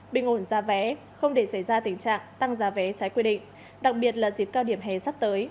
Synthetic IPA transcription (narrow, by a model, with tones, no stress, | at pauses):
ɓï˧˩ŋ̟ʔo˧˩nzaː˨˦vɛ˨˦ | xə˧wŋ͡mɗe˧˩sə˧˩jzaː˧t̪ï˨˩ŋ̟t͡ɕa̰ː˧˨ŋt̪a˧ŋzaː˨˦vɛ˨˦t͡ɕaː˨˦jkwi˧ɗḭ˧˨ŋ̟ | ɗa˨˩k̚ɓi˨˩ət̚laː˨˩zi˨˩p̚kaː˧wɗi˧˩əmɦɛ˨˩sa˦˥t̚t̪əː˨˦j